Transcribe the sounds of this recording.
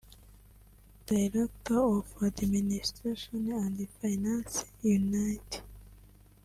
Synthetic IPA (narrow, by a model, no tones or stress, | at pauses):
d̪̥ajɾat̪aofad̪minist̪ɾeʃɔnãnd̪ifajnãnsjunajti̥